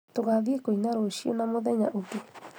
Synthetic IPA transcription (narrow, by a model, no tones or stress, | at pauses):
t̪oɡaðikoinaɾoʃionãmoðeɲaʔuki